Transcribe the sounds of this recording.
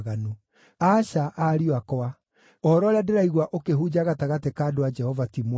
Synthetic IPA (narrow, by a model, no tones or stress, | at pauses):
ɣano | aʃaʔaɾiwakɔa | ɔɔɾɔɾeadeɾaiɣwaʔokeɦud͡ʑaɣataɣatekaːdoad͡ʒɛhɔvatimw